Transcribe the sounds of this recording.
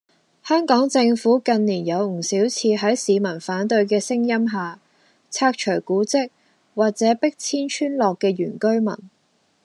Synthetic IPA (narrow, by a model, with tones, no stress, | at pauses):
hœː˥ŋkɔː˨˥ŋt͡sɪ˧ŋfuː˨˥kɐ˧nliː˨˩njɐ˨˧wŋ̩˨˩siː˨˥wt͡sʰiː˧ɦɐ˨˥jsiː˨˧mɐ˨˩nfaː˨˥nt̪ɵ˧ɥk̬ɛː˧sɪ˥ŋjɐ˥mɦaː˨ | t͡sʰaː˧k̚t͡ʃʰɵ˨˩ɥkuː˨˥t͡sɪ˥k̚ | waː˨k̚t͡sɛː˨˥pɪ˥k̚t͡sʰiː˥nt͡ʃʰyː˥nlɔː˨kːɛː˧ɥyː˨˩nkɵ˥ɥmɐ̰˨˩n